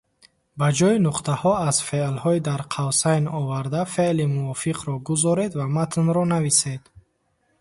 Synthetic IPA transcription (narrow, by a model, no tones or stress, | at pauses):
bad͡ʒɔinuqt̪ʰahɔaz̥felhɔid̪aɾqʰawsajnɔvaɾd̪afeʔlimuɔfiqʰɾɔɡuzɔɾe̞d̪vamat̪ʰnɾɔnavised̪